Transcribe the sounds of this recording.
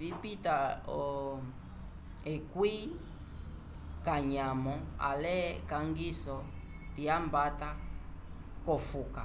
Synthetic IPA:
vipitaɔ | ɛkwi | kaɲamɔa̰lɛkaŋɡisɔ | tiambata | kɔfuka

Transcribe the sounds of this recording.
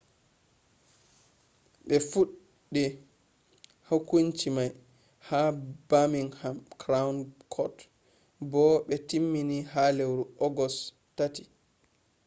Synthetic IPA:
ɓɛfuɗː | i | hakuɲt͡ʃimaj | habamiŋhamkɾawnkʰɔt | bɔɓɛtimːiniɦalewɾuɔɡɔs | tati̥

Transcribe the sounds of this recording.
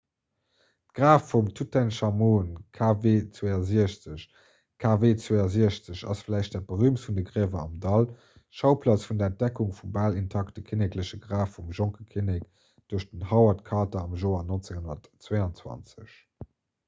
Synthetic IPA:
tɡ̥ʁaːfːumtʰutʰɛnʃɑmoːnkʰaːveːt͡sweɐziəɕt͡səɕ | kʰaːveːt͡sweːɐziəɕt͡səɕɑ̰sflæɪʃtd̥ɛɐb̥əʁyːmtfundəɡʁiəvɐɑ̰mdɑl | ʃɑʊpʰlɑt͡sfundɐɛnt̚d̥ɛkuŋfumbaːlintʰɑktəkʰinɛkləɕəɡʁaːfːumʒoŋkəkʰinek | d̥uəɐʃd̥ənhɑʊɐtkʰɑːtɐɑmʒoːɐnont͡seŋɦonɐtt͡sweːɑnt͡swɑ̰nt͡səɕ

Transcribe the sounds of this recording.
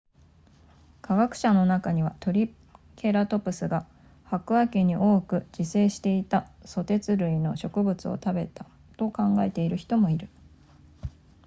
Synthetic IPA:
kʰaɡakɯ̟̥ɕano̞nakaɲ̟iβat̪o̞ɾʲi | kʰe̞ɾat̪o̞pɯ̟sɨɡa | hakɯ̟akeɲ̟iʔo̞ːkɯ̟d͡ʑise̞ːɕi̥t̪e̞it̪aso̞t̪e̞t͡sɨɾɯ̟ino̞̰ɕo̞kɯ̟bɯ̟t͡sɨo̞̰t̪abe̞t̪a | t̪o̞kãŋɡae̞t̪e̞iɾɯ̟çi̥t̪o̞mo̞iɾɯ̟

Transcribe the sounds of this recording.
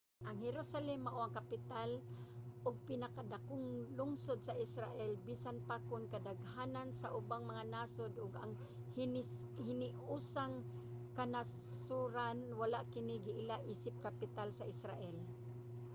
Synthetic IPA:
ʔaŋhɛɾusalɛmːaʔoaŋkapɪt̪alʔʊɡ̚pɪnakad̪akʊŋlʊŋsʊd̪̚saʔɪsɾaʔɛlbiːsanpakʊnkad̪aɡhaːnansaʔʊbaŋmaŋanasod̪ʊɡa̰ŋ | hnhɪnɪ | uːsaŋ | kanassuɾanwalaʔkɪnɪɡɪʔɪlaʔiːsɪp̚kapɪt̪alsaʔɪsɾa̰ʔɛl

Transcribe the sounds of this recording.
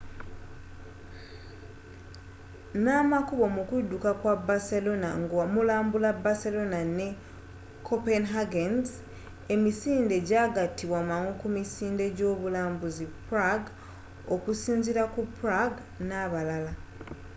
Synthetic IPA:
namakuβo̞mukudːukakwabaselo̞naŋɡamulaːmbulabaselo̞nane̞ | kʰopenɦaɡenz | e̞misiːnde̞ɟaːɡatiβwamaŋokumisiːnde̞ɟo̞ːβulaːmbuzipɾaɡ | okusiːnziɾakupɾaɡ | naβalala

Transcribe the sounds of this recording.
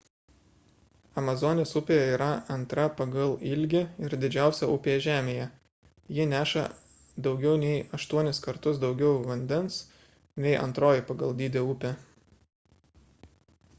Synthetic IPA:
ɐmɐzɔnʲeːsʊpʲeːjɛiːɾɐɐnt̪ɾɐpɐɡɐlˠɪlʲɡʲɪɪɾd̪ʲɪd͡ʒʲæˑʊsʲɛʊpʲeːɛʒʲæːmʲeːjɛ | jɪnʲæːʃɐ̰ | d̪ɒʊɡʲɛʊnʲɛɪɐʃt̪uɔnʲɪskɐɾt̪ʊsd̪ɒʊɡʲɛʊʋɐnʲd̪ʲɛns | nʲɛɪʔɐ̰nt̪ɾoːjɪpɐɡɐlˠd̪ʲiːd̪ʲeʊpʲe

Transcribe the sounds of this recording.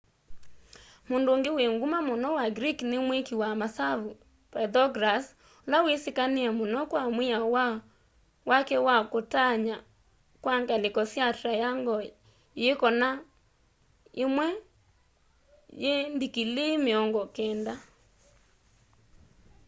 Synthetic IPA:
mondooːŋɡeweŋɡumamonɔwaɡɾiknemwekiwamasavu | pɛdɔɡɾas | olawesekaneamonɔkwamweaw | wakɛwakotaɲa | kwaŋɡalekɔsjatɾajaŋɡɔ | jekɔna | emwɛ | jendikilemeɔŋɡɔkɛːnda

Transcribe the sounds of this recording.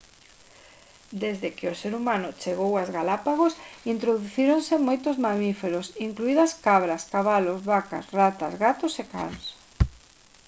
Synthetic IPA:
d̪ezðɪkɪoseɾumãnʊt͡ʃeɣowazɣalapaɣ̞osint̪ɾoðuθiɾonsɪmojt̪ʊzmamifeɾosiŋkluiðɐskaβɾɐskaβalozβaka̰srat̪ɐzɣat̪ʊseka̰ns

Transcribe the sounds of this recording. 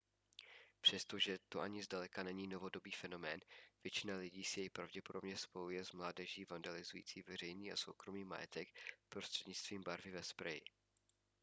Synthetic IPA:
pr̝̥ɛst̪o̞ʒɛt̪oʔaɲɪzdalɛkanɛɲiːno̞vo̞do̞biːfɛno̞mɛːnv̥jɛt͡ʃɪnalɪɟiːsɪjɛjpɾavɟɛpodobɲɛspo̞jujɛzmlaːdɛʒiːvandalɪzujḭːt͡siːvɛrɛjniːa̰so̞̰wkɾo̞miːma̰jɛ̰t̪ɛkpɾo̞st̪r̥ɛdɲɪt͡st̪viːmbaɾvɪvɛspɾɛjɪ̰

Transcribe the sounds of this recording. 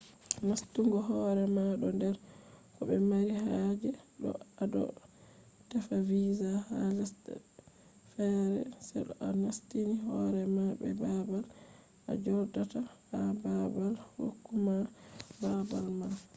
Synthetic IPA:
nastuŋɡɔɦɔːɾɛmaɗɔndɛɾkɔɓɛmaɾihaːd͡ʒɛɗɔ̰adɔ̰ | tɛfaviːzahalastɛ̰ | fɛɾɛ̰sɛ̰ɗɔ̰ʔanastiniɦɔɾɛmabɛ̰babal | ʔa̰d͡ʒɔɾdatahababalho̰kːumababalma

